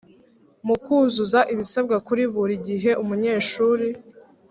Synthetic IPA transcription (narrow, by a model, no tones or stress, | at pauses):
mukuzuzaʔiβisab̚ɡakuɾiβuɾiɟiɦe̞ʔumuɲe̞ːʃuːɾi